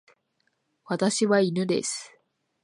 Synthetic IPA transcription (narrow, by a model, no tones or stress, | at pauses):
βat̪aɕiβainɯ̟d̪e̞̰sɨ̥